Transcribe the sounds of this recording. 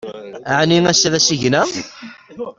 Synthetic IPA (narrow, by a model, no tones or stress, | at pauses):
aʕniŋæsðæsiʝnæ